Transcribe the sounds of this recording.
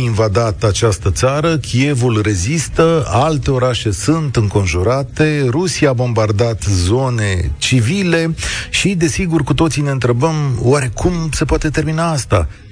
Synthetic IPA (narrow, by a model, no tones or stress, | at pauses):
invad̪at̪at͡ʃast̪ət̪saɾəkʲʰije̞vulre̞zist̪əalt̪e̞o̞ɾaʃe̞sunt̪ɨŋko̞nʒuɾat̪e̞ɾusijaːbo̞mbard̪at̪zo̞ne̞t͡ʃivile̞ʃid̪e̞siɡurkut̪o̞t̪sineɨnt̪ɾe̞bəmwaɾe̞kʰumse̞poat̪e̞t̪e̞rminaast̪a̰